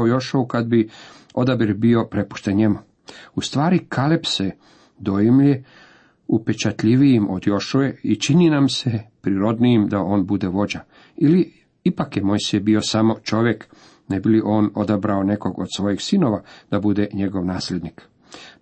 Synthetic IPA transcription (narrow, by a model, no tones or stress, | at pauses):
ujo̞ʃoukad̪bi | o̞d̪abiɾbio̞pɾe̞pu̥ʃt̪enɲe̞mu | ust̪ʋaːɾikʰalepse | d̪o̞jimʎe | upe̞t͡ʃat̪ʎiʋijimod̪jo̞ʃojeit͡ʃininamsepɾiɾo̞d̪nijimd̪ao̞ːnbud̪e̞ʋo̞d͡ʑa | ili | ipakjemo̞jsibio̞samo̞t͡ʃo̞ʋje̞k | ne̞biliʔo̞ːno̞d̪abɾaone̞ko̞ɡod̪sʋo̞jixsino̞ʋad̪̥abud̪e̞ɲe̞ɡo̞ʋnaːsled̪nik